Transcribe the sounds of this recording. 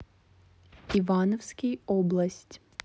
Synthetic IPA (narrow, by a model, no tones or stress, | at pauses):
ivanɔfskʲijɔblˠɐsʲtʲ